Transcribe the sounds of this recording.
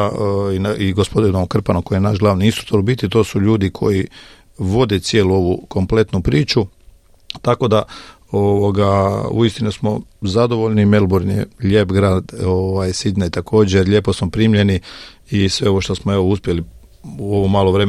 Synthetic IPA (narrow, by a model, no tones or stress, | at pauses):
inaʔiɡospod̪inookr̩panoko̞jijenaʃɡlˠaːʋniinst̪ɾu̥kt̪oɾbit̪it̪o̞ːsuʎuːd̪ikʰo̞̰ji | ʋo̞d̪e̞t̪sjeluo̞ʋuko̞mple̞t̪nupɾiːt͡ʃu | t̪ako̞d̪a | oʋoɡaṵist̪inusmo̞zad̪o̞ʋo̞ʎnimelˠboɾnḛʎʲe̞ːpɡɾaːd̪oʋajsid̪najt̪akʰo̞ːd͡ʑeɾʎe̞ːpo̞smopɾiːmʎe̞ni | isʋe̞oo̞ʃt̪o̞smoe̞ʋouspje̞li | uo̞ʋomaːlˠoʋɾe̞m